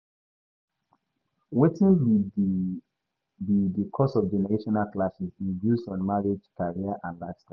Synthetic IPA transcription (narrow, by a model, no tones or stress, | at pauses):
wetĩn | bidikʰɔsɔvd͡ʒɛnɛɹeʃɔnalklasisĩndjuzɔ̃nmaɹed͡ʒkaɹiaʔãnlaɪfsta